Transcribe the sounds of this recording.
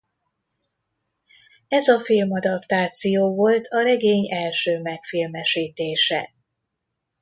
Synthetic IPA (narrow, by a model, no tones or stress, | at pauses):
ɛzɒfilmɒd̪ɒpt̪aːt̪sijoːvo̞lt̪ʰɒɾɛɡeːɲɛlʃøːmɛkfilmɛʃiːt̪eːʃɛ